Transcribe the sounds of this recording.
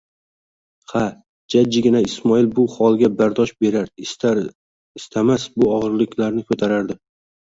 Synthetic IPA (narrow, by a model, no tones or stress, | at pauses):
ha | d͡ʒad͡ʒːɪɡʲɪnaɪsmɒɪlbʊhɒlˠɡʲabaɾd̪ɒʃbe̞ɾaɾ | ɪst̪ʰamasbʊɒʁɨɾlɪkʲʰlaɾnɪkʰɵt̪ʰaɾaɾd̪ɪ